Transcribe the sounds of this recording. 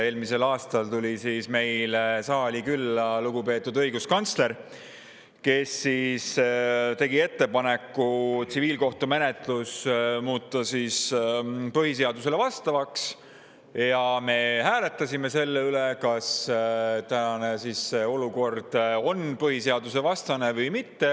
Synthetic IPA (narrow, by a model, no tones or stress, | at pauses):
e̞ːlmise̞lɑːst̪ɑlt̪ulʲisiːsme̞jlsɑːlʲikylːɑluɡ̥upe̞ːt̪ːˑud̪ɤ̞jɡuskɑnt̪sle̞ɾ | ke̞sːist̪e̞ɡie̞t̪ːe̞pɑne̞kːˑut̪siviːlko̞ht̪ume̞net̪ˑlusmuːt̪ˑːɑsiːs | pɤɦis̬e̞ɑd̪us̬e̞le̞vɑst̪ɑvɑks | jɑme̞hæːle̞t̪ːˑɑsʲime̞se̞lːeylekɑs | t̪ænɑnesisːeo̞luko̞rd̪̥o̞npɤɦise̞ɑd̪use̞vɑst̪ɑne̞vɤjmit̪ːe̞